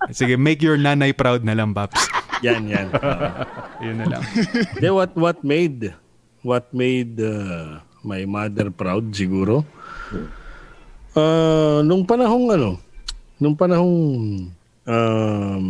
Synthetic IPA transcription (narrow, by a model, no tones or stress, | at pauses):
sɪɡɛmejkjɔɹnaːnɐjpɾawd̪̚nɐlɐŋbapsjanjanʔɐjʊnːɐlɐ̰ŋd̪ɛwɐt̪̚wɐt̪̚mejd̪ | wɐt̪̚mejd̪a | majmad̪ɛɹpɾawd̪̚sɪɡuːɾo̞ | ʔanʊŋpɐnɐɦoŋɐnonʊŋpɐnɐhoŋ | ʔa